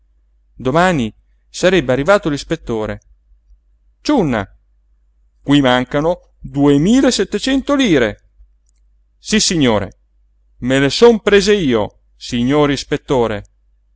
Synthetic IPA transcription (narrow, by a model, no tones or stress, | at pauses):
d̪omaːni | saɾɛbːearːivaːt̪olispet̪ːoːɾe | t͡ʃunːa̰ | kwimaŋkano | d̪uemiːlesɛt̪ːet͡ʃɛnt̪oliːɾe | sisːiɲːoːɾḛ | melesompɾeːzeiːo̰ | siɲːoːɾispet̪ːoːɾe